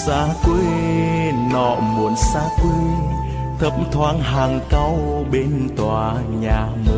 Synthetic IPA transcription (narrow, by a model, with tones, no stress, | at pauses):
saː˨˧˦kwe˧˦ | nɔ̰˧˩˨mu˨˦ənsaː˧˦kwe˧˦ | t̪ʰə˧˦˩p̚t̪ʰwaː˧˦nɦaː˨˩ŋka˧wɓe˧nt̪waː˨˩ɲaː˨˩mɨ˨˦